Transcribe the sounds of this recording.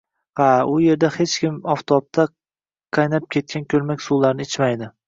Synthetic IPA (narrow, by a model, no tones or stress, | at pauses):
aʊje̞ɾd̪ahet͡ʃkʲɪmɒft̪ʰoɒp̚t̪ʰa | qʰɑjnap̚kʲe̞t̪̚kʲʰankʲʰɵɾmakʲsulaɾnɪɪt͡ʃmajd̪ɪ